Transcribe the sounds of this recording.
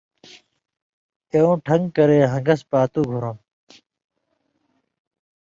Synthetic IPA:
eõːʈʰɐŋɡkɐɾeːɦɐ̃ŋɡɐspaːt̪uːɡʱuɾɐm

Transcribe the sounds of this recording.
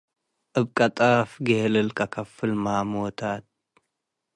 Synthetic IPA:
ʔɨbkʼɐt̪ʼafɡehlɨlkʰʼɐkʰɐfɨlmamot̪ʰat̪̚

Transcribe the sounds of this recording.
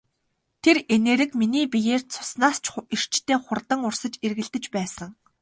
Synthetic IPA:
t̪ʰereneːɾɘ̆kminiːpijeːrt͡sʰʊ̥snaːst͡ɕʰir̥t͡ɕt̪ʰeːχʊrt̪ə̆ŋʊrsə̆t͡ɕerɣɘ̆ɮt̪ɘ̆t͡ɕpæːsə̆ŋ

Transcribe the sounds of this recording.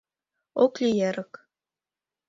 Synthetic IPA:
oklʲijeɾɤ̆k

